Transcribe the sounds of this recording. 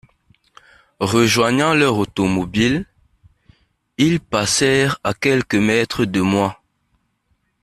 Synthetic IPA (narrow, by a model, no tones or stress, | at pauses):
ʁəʒwaɲɑ̃lœʁot̪omobil | ilpasɛːʁakɛlkəmɛt̪χəd̪əmwa